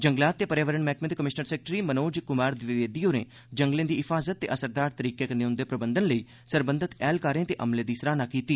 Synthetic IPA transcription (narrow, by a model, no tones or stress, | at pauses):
d͡ʒəŋɡlaːt̪ːeːpəɾjaːʋəɾəɳmɛːkmɪt̪kəmɪʃnəɾsɛːk̚ʈɾiːmənoːd͡ʒkʊmaːɾd̪ʋɪʋeːd̪iːoːnḛː | d͡ʒəŋɡlẽːd̪iːɦɪpʰaːzət̪ːḛːʔəsəɾd̪aːɾt̪əɾiːkeːkəneʊnd̪eːpɾəbənd̪ənləiː | səɾbənd̪ət̪ɛːlkaːɾẽːt̪eːʔəmlẽːd̪iːsɾaːnaːkiːt̪iː